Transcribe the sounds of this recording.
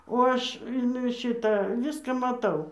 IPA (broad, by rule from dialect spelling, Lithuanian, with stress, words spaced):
oː ˈɐʃ ɪn ˈʃʲɪtɐ ˈʋʲɪskɑː mɐˈtɐʊ